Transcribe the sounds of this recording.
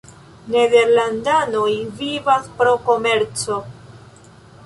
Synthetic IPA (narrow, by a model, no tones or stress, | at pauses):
ne̞de̞ɾlandano̞jvivaspɾo̞ko̞me̞ɾt͡so̞